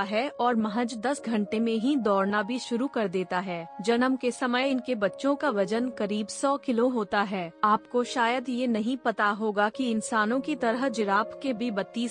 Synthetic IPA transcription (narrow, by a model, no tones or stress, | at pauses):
ɦɛɔːɾmɐɦəd͡ʒd̪ɐsɡʱɐ̃ɳʈemẽɦĩd̪ɔːɾnabʱiʃʊɾukɐɾd̪eːt̪aɦɛːd͡ʒɐnəmkesɐməjɪnkebɐtːʃõkaʋɐd͡ʒənkɐɾiːbsɔːkɪloɦoːt̪aɦɛːaːpkoʃaːjəd̪jenɐɦĩpɐt̪aɦoːɡakiɪnsaːnõkit̪ɐɾəɦd͡ʒɪɾaːpʰkebʱibɐt̪ːi